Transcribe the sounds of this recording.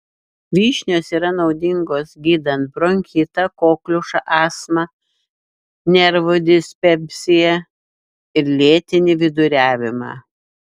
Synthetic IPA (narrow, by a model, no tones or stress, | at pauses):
ʋʲiːʃʲnʲoːsiːɾɐnɒʊd̪ʲɪŋɡoːsɡʲiːd̪ɐnt̪̚bɾoŋʲkʲɪt̪ɐkoːklʲʊʃɑʔɑːsmɐ | nʲɛɾʋod̪ʲɪsʲpʲɛpʲsʲɪjɛ | ɪɾlʲeːt̪ʲɪnʲɪʋʲɪd̪ʊɾʲæːʋʲɪmɑ̰ː